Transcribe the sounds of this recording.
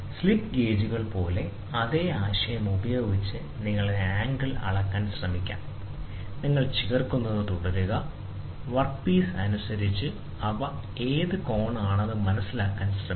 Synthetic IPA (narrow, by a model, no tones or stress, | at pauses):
slipːɡe̞ːd͡ʑuɣɐɭpo̞ːle̞ | ɐðe̞ːaːɕɐjɐmubɐjo̞ːɡit͡ɕːɨ | niŋːɐɭieaːŋɡɐlɐ̰ɭɐkːaːnɕrɐmikʲːa̰ːm | niŋːɐɭt͡ɕiɣɐrkunːɐðɨt̪uɽɐɾuɣɐ | ʋɐrkpiːsɐnusɐɾit͡ɕːɨ | ɐʋɐ | e̞ːðɨko̞ːɳaːɳɐðɨmɐnɐsːilaːkːaːnɕrɐ